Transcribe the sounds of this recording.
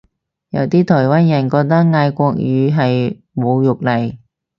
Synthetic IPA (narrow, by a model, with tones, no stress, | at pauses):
jɐ̰˨˧wt̪iː˥t̪ʰɔː˨˩jwaː˥njɐ˨˩nkɔː˧k̚t̪̬ɐ˥k̚ŋaː˧jkʷɔː˧k̚jyː˨˧ɦɐ˨j | mo˨˧wjʊ˨k̚lɐ˨˩j